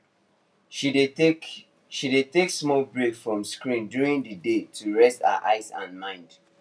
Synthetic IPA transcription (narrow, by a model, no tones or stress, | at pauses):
i | ʃideteksmɔlbɹekfɹɔ̃mskɹĩndjuɹĩndədetʰuɹɛsta̰ʔa̰ɪsã̰nmãɪ̃nd